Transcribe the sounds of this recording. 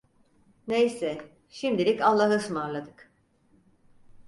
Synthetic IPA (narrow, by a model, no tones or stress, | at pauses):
nejsɛ | ʃimd̪ilʲicalˠːaɦɯsɯmaɾlˠad̪ɯk